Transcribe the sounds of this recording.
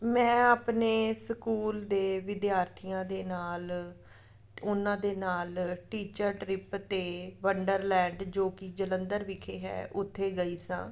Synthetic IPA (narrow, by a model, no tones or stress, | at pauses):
mɛ̃ːaːpneːsəkuːld̪eːʋɪd̪jaːɾt̪ʰijãːd̪eːnaːl | ʊnãːd̪eːnaːlʈiːt͡ʃəɾʈɾɪpt̪eːʋəɳɖəɾlɛ̃ːɳɖd͡ʒoːkid͡ʒələ̃nd̪əɾʋɪkʰeːɦɛ̰ːʔʊt̪ʰːeːɡəiːsã̰ː